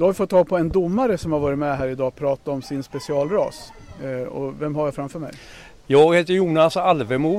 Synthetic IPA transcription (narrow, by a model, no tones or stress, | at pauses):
d̪ɵhavɪfɔt̪ːɑːɡ̚pʰɔɛnd̪ʊmːaɾəsɔmhaɾvɑːɾɪt̪mɛɦæːɾɪd̪ɑːpʰɾɑːt̪aɔmsɪnspɛsɪɑːlɾɑ̰ːs | ɔ̰vɛmɦajafɾamfœːmɛ̰j | jɑːɡheːt̪əɾjuːnasalvɛmuː